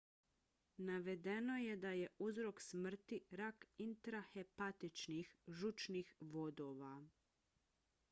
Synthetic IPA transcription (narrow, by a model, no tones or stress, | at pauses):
naʋe̞d̪e̞no̞je̞d̪aje̞uzɾo̞ksmr̩t̪iɾakint̪ɾaxe̞pat̪it͡ʃnixʒut͡ʃnixʋo̞d̪o̞ʋa